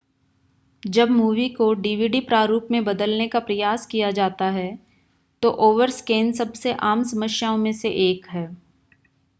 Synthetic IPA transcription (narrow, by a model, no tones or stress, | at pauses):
d͡ʒɐbmuːʋikoɖiːʋiːɖipɾaːɾuːpmẽbɐd̪əlnekapɾɐjaːskijad͡ʒaːt̪aɦɛ | t̪oʔoːʋəɾskeːnsɐbseʔaːmsɐməʃjaːõmẽseʔeːkɦɛː